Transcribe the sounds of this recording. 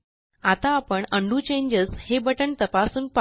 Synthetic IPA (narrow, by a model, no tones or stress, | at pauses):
at̪aːpəɳəɳɖuːt͡ɕẽɲd͡ʑəshebəʈəɳt̪əpasuːnpa